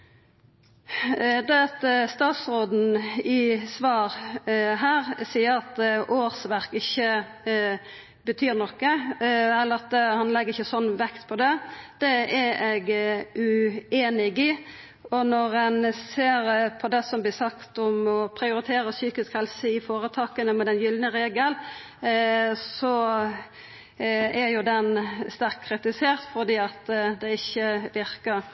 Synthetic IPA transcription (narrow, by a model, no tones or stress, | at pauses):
d̪ɛt̪əst̪ɑːt̪sʁoːd̪n̩ɪsʋɑːɾɦæːʁsiːəɾɑt̪ʔoːʁsʋæɾkɪçːə | bət̪ʰyːɾnɔkːəɛlːəɾɑt̪̚hɑnlɛɡːəɾɪçːəsɔnːʋɛkt̪pʰɔd̪ɛd̪̥ɛɛɛɡʉeːnɪɡɪ | ɔnɔɾɛnseːɾpʰɔd̪ɛsɔmblɪsɑkt̪ɔmɔpʰɾɪʊɾɪt̪ʰeːɾəsyːkɪskhɛlsəɪfoːɾət̪ʰɑːkənəmɛd̪ɛnjʏlnəɾeːɡəl | sɔ | æɾjʊd̪ɛnst̪æɾkʰːɾɪt̪ɪseːɾt̪fɔɾd̪iːɑt̪d̪ɛɪçːəʋɪɾkəɾ